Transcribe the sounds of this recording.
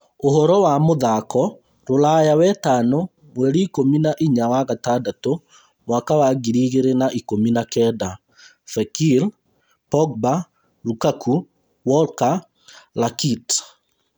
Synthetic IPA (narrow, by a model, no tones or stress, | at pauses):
oɦɔɾɔwamoðakɔ | ɾolajawɛtanɔ | mwɛɾiːkominaʔiɲawaɣatadato | mwakawaɡiɾiɣeɾenaʔikominakɛda | fɛkil | pɔɡ̚ba | ɾukakʰu | wɔlka | lakit